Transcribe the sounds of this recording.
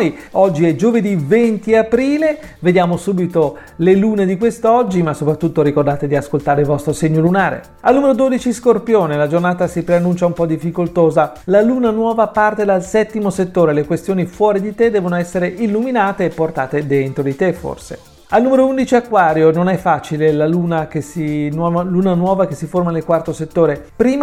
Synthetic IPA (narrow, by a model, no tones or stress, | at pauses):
j | ɔd͡ʒːiɛd͡ʒoved̪ivent̪iapɾiːle | ved̪jaːmosuːbit̪o | leluːned̪ikwest̪ɔd͡ʒːimasopɾat̪ːut̪ːoɾikord̪aːt̪ed̪iaskolt̪aːɾeilvɔst̪ɾoseɲːolunaːɾḛ | alnumeɾod̪oːd̪it͡ʃiskorpjoːnelad͡ʒornaːt̪asipɾeanːunt͡ʃaumpɔd̪ifːikolt̪oːza | laluːnanwɔːvapart̪ed̪alsɛt̪ːimoset̪ːoːɾelekwest̪joːnifwɔːɾid̪it̪ed̪ːɛːvonoɛsːeɾeʔilːuminaːt̪eːpːort̪aːt̪ed̪ent̪ɾod̪it̪efo̰rsḛ | alnumeɾound̪it͡ʃiakːwaːɾjononɛfːaːt͡ʃilelaluːnak̟esinwɔluːnanwɔːvakesiformanelkwart̪oset̪ːoːɾepɾiːm